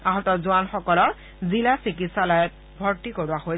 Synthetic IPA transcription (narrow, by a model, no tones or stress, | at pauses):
aɦɔtɔzuanxɔkɔlɔ | zilasɹikitsalɔjɔt̚ | bʱɔɹtikoɹʊaxoj